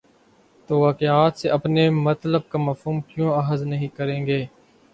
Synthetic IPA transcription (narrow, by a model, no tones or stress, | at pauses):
t̪oːʋaːkeaːt̪seʔɐpnemɐt̪ləb̚kaːmɐfɦuːmkjõːɐɦəznəɦĩkəɾẽːŋɡeː